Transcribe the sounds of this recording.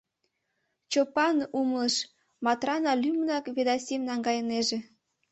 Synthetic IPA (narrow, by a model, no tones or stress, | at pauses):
t͡ɕopɑnumləʃ | mɑt̪rɑnɑlʲymnɑkβed̪ɑsʲemnɑŋɡɑjəneʒe